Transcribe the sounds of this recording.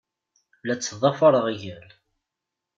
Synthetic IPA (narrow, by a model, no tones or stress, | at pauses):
læt͡sːðˤɑfɑɾˤəʁʝæl